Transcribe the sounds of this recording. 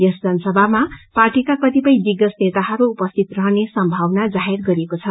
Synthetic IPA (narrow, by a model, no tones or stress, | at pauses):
jʌsd͡zʌnʌsʌbʱamaparʈikaprʌt̪ipʌj̃d̪iɡʌsnet̪aɦʌɾuːpʌst̪ʰit̪rʌɦʌnesʌmbʱawnad͡zaɦerɡʌɾekot͡sʰʌ